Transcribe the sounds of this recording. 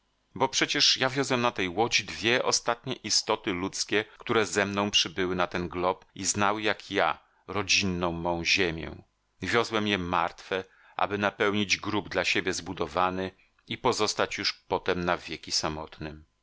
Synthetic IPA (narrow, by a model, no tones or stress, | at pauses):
bɔpʂɛt͡ɕɛʂjavʲjɔzwɛmnat̪ɛjwɔd͡ʑid̪vʲjɛʔɔst̪at̪ɲɛʔist̪ɔt̪ɘlut̪skʲɛkt̪uɾɛzɛmnɔ̃w̃pʂɘbɘwɘnat̪ɛnɡlɔpiznawɘjakja̰ | ɾɔd͡ʑinːɔ̃w̃mɔ̃w̃ʑemʲjɛ̰̃ | vʲjɔzwɛmjɛma̰ɾt̪fɛ | ʔa̰bɘnapɛwɲid͡ʑɡɾubd̪laɕebʲjɛzbud̪ɔvanɘ | ipɔzɔst̪at͡ɕjuʂpɔt̪ɛmnavʲjekʲisamɔt̪nɘm